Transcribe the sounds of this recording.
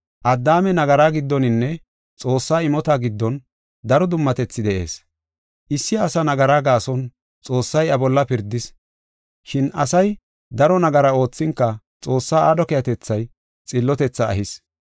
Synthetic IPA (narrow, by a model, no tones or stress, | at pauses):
ʔɐd̪ːaːmɛnɐɡɐɾaːɡɪd̪ːɔnɪnːɛ | t͡sʼo̞ːsːaːɪmɔt̪aːɡɪd̪ːɔn | d̪ɐɾɔd̪ʊmːɐt̪ɛt͡sːɪd̪ɛʔe̞̰ːs | ʔɪsːɪːsɐnɐɡɐɾaːɡaːsɔn | t͡sʼo̞ːsːɐjɐbɔlːɐpɪɾd̪ɪs | ʃɪnɐsɐj | d̪ɐɾɔnɐɡɐɾɐo̞ːt͡sːɪŋkːɐ | t͡sʼo̞ːsːaːad̪ɔkɛjɐt̪ɛt͡sːɐj | t͡sʼɪlːɔt̪ɛt͡sːɐ̰ːhɪs